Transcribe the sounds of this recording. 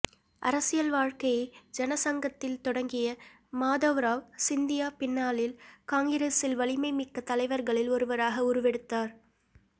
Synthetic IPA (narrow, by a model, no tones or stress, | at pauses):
ʔɐ̰ɾɐsɪjɐlʋaːɻkɐjɐɪd͡ʒɛnɐsɐŋɡɐt̪ːɪlt̪ɔɽɐŋɡɪjɐ | maːðɐʋɾaːʋsɪnd̪ɪjaːpɪnːaːlɪlkaːŋɡɪɾesɪlʋɐɭɪmɐɪmɪkːɐt̪ːɐlɐɪʋɐɾɣɐɭɪlɔɾɯʋɐɾaːɣɐʊɾɯʋɛɽɯt̪ːaːɾ